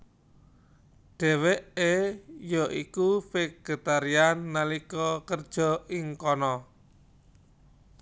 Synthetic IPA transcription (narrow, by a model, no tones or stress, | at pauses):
ɖ̥ɛ̤weʔejɔʔikufɪk̚ɡ̥ə̤t̪aɾianːalikɔkərd̥ʒ̥ɔ̤ʔɪŋkɔnɔ